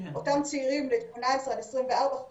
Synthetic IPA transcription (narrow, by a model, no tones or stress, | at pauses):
ʔotamt͡siiʁimlet̪monaesʁelesʁimvealba